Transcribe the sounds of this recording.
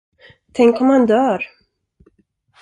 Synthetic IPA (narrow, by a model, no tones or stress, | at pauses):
t̪ʰɛŋkɔmhand̪œːɾ